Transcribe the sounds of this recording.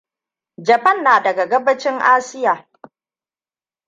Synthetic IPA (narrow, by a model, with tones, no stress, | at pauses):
d͡ʒɐ˨pɐ˦˨nːaː˨dɐ˨ɡa˨ɡɐ˦bɐ˦t͡ʃɪ˦ŋʔaː˦sɪ˦jaː˨